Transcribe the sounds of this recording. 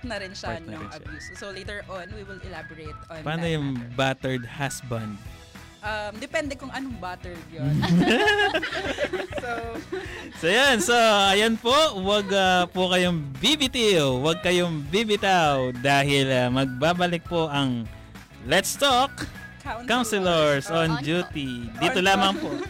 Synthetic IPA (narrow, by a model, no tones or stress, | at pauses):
nɐɾɪnʃɐnʊŋʔɐbjussolejt̪ɛɹʔonwiwɪlɛlabɔɹet̪ɔnpaːnojʊŋbat̪ɛɹd̪̚hasbɐnd̪̚ | ʔɐmd̪ɛpɛnd̪ɛkʊŋʔɐnoŋbat̪ɛɹd̪̚jon | so | sojonsoɐjonpowɐɡɐpʊkɐjoŋbibit̪iwwɐɡ̚kɐjoŋbibɪt̪awd̪aːhɪlɐmɐɡ̚baːbɐlɪk̚poʔɐŋ | lɛt̪st̪ok | kkawnsɛlɛɹsʔond͡ʒuːt̪id̪iːt̪olaːmɐŋpoʔ